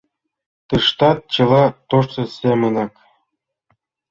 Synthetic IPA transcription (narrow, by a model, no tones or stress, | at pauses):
t̪ɯʂt̪ɑt̪̚t͡ɕɤ̆lˠɑt̪oʂsɤ̆sʲemʲɘ̆nɑk